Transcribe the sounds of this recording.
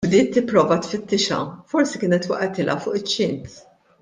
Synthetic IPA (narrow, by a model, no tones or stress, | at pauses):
bd̪ɪːt̪ːɪpːɾɔːvɐt̪fɪt̪ːɪʃɐ̰fɔɾsikɪːnɛt̪wɐ̰ʔɛt̪ɪlʔɐ̰fʊːʔɪt͡ʃːɪnt̪